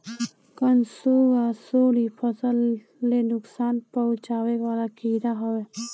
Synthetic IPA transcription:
kənsoːɡasoːlipʰəsəlː | enʊksaːnpəʊt͡ʃaːwewaːlakʰiːɾaɦɐwe

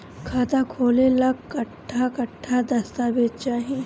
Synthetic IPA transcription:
kʰaːt̪akʰoːlelɐkkːɐʈʰːakɐʈʰːad̪ɐst̪abeːt̪t͡ʃaːɦẽ

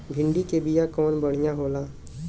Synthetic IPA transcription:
bʱɪ̃ɳɖikebijakɔːnbɐɽ̤ijãɦoːlaː

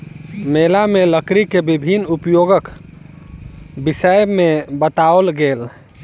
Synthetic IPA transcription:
melameləkɾikebibʱinːupjoɡək | bisəjmebət̪alɡel

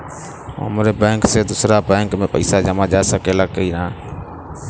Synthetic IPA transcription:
ə̰mɾeːbẽːŋkseːd̪ʊsɾaːbẽːŋkmẽːpəiːsaːd͡ʒəmaːd͡ʒaːsəkeːlaːkəiːɾɦãː

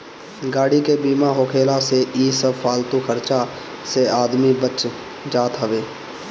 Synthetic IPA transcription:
ɡaːɽikebiːmaɦoːkʰeːlaseʔiːsəfaːlt̪ukʰəɾt͡ʃa | seaːd̪mibət͡ʃ | d͡ʒaːt̪ɦəʋeː

